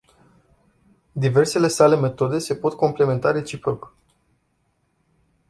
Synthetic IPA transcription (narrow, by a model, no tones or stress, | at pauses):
d̪ive̞rse̞le̞sale̞me̞t̪o̞d̪e̞se̞po̞t̪ko̞mple̞me̞nt̪aɾe̞t͡ʃipɾo̞k